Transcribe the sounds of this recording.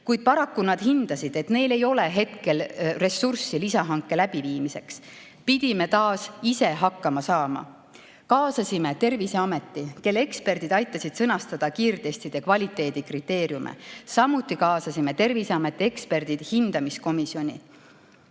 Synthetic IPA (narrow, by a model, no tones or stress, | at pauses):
kujd̪̥̚pɑɾɑkːunɑd̪̥hind̪̥ɑsid̪̥e̞t̪ne̞jle̞jo̞le̞ɦe̞t̪ke̞lre̞sːursilisɑɦɑŋkːˑe̞læb̥iviːmise̞ks | pid̪̥ime̞t̪ɑːsise̞ɦɑkːɑmɑsɑːmɑ̰ | kɑːsɑsime̞t̪e̞rviseɑme̞t̪ːike̞lːe̞kspe̞rd̪̥id̪ɑjt̪ːˑɑsid̪̥sɤnɑst̪ɑd̪̥ɑkiːrd̪e̞st̪id̪̥e̞kvɑlʲit̪ːˑe̞ːd̪̥ikrit̪ːe̞ːɾjumʔḛsɑmːut̪ːˑikɑːsɑsime̞t̪e̞rviseɑme̞t̪ːˑie̞kspe̞rd̪̥id̪̥hind̪̥ɑmisko̞misio̞nʲḭ